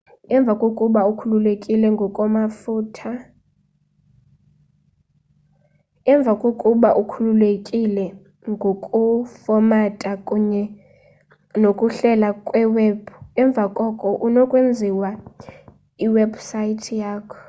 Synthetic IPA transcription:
ɛɱb̪vʱakʼokʼuɓaukʰululekʼilɛŋɡʱɔkʼɔmafuːtʰa | ɛɱb̪vʱakʼokʼuɓaʔukʰululekʼilɛ | ŋɡʱokʼufɔmatʼakʼuɲɛ | nokʼuɬɛlakʼwɛweːb̥ʱuɛɱb̪vʱakʼɔkʼɔʔunɔkʼwend͡zʱiwa | iwɛbʱusajitʰijaːkʰɔ̥

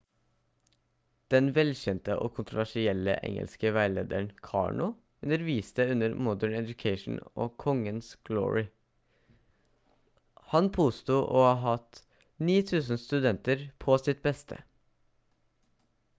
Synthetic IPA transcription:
d̪̥ɛnʋɛlçɛnt̪əʔoːkʰʊnt̪ɾʊʋæʂɪɛlə̰ʔɛ̰ŋə̰lskəʋæɪlḛːd̪əɳkʰɑ̰ːɳʊ | ʉnəɾʋiːst̪əʉnəɾmɔd̪əɳɛd̪ʉkʰeɪʃn̩o̰ːkʰɔŋənsɡ̥lo̰ːɹɪ | hɑnpʰoːst̪uːʔoːɑɦɑt̪ | niːt̪ʰʉːsn̩st̪ʉd̪ɛnt̪əɾpʰosɪt̪̚bɛst̪ʰə̰

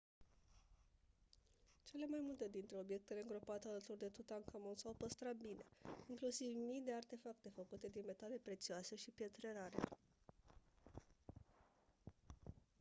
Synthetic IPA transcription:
t͡ʃe̞le̞majmult̪e̞d̪int̪ɾe̞o̞bje̞k̚t̪e̞le̞ɨŋɡɾo̞pat̪ealət̪urd̪e̞t̪ut̪aŋkamonsawpəst̪ɾat̪̚bine̞iŋklusivmijd̪e̞art̪e̞fakt̪e̞fəkut̪e̞d̪inme̞t̪ale̞pɾe̞t̪sioase̞ʃipjet̪ɾe̞naɾḛ

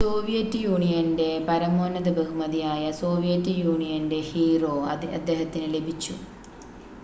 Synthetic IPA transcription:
so̞ːʋijɐtːjuːɳijɐnde̞pɐɾɐmoːnɐðɐbɐɦumɐðijaːjɐso̞ːʋijɐtːɨjuːɳijɐnde̞hiːro̞ːɐd̪ːe̞ːɦɐt̪ːinɨle̞bʱit͡ɕːṵ

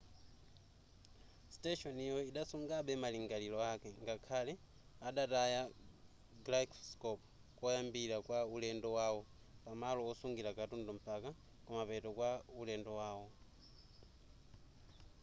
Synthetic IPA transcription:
stɛʃɔnijɔiɗasuŋɡaɓɛmaliŋɡalilɔakɛŋɡakʰalɛ | aɗataja | ɡlakʰskɔp | kɔjambiɾakwaulɛndɔwawɔ | pamalɔɔsuŋɡilakatundɔm̩paka | kɔmapɛtɔkwaulɛndɔwaːwɔ

